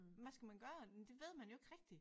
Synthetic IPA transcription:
ʋæsɡ̥æmænɡ̥ɶɐd̥e̝ʋe̝ð̞̰ˠmænjoe̝ɡ̥ʁɛɡ̥̚d̥i

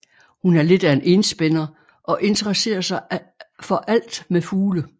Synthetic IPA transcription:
hunæɐle̝d̥æenʔe̝nsb̥enɐ | ʔɒ̽ʔe̝nt͡sʰəʁɐse̝̰ːɐsɑ̈ɪfɒ̽ʔæl̰d̥mefuːlə

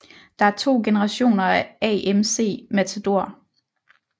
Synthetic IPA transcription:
d̥ɑ̈æɐt͡sʰo̝̰ːɡ̥e̝nəʁɑ̈ɕo̝̰ːnɐæɛ̰ʔemse̝̰ːmæt͡sʰod̥o̝ɐ̰

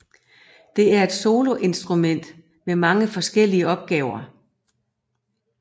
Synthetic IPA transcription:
d̥e̝æɐe̝d̥so̝ːlo̝ʔe̝nsd̥ʁumen̰d̥ | memɑ̈ŋəfɒ̽sɡ̥el̰iəɒ̽b̥̚ɡ̥ɛːʊɐ

